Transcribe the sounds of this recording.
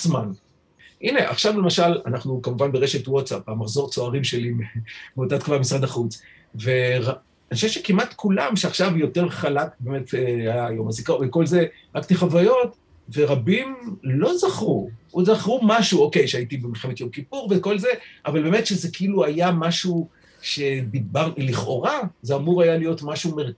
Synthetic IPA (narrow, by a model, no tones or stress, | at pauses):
zman | ʔineʔa̰χʃavle̞maʃalanaχnukamuvanbeʁeʃetwott͡sapamaχzo̞ʁt͡soaʁimʃe̞limebeotat̪kuvamisʁadaχut͡s | ve̞ʁa | aniʃeʃekimatkʰulamʃeaχʃavjo̞teʁχalakbeme̞teajajomazikaveko̞lze̞ | ʁakt̪iχavajo̞t | veʁabimlo̞zaχʁuozaχʁumaʃuoke̞jʃeaitibemilχemet̪jo̞mkipuʁveko̞lze̞ʔavalbeːmetʃezekeiluajamaʃu | ʃebibaʁiliχo̞ʁazeamuʁajalijo̞tmaʃumeʁ